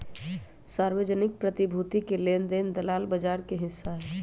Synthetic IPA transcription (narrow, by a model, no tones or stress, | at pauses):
saːɾwed͡ʒənɪk̚pɾət̪ibʱut̪ikelend̪end̪əlaːlbəd͡ʒaːɾkeɦɪsːaɦɛː